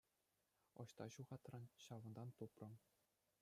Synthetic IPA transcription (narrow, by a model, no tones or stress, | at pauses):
ɤ̆ɕt̪ɑɕuʁɑt̪rɑnɕɑʋɤ̆nd̪ɑnt̪uprɤ̆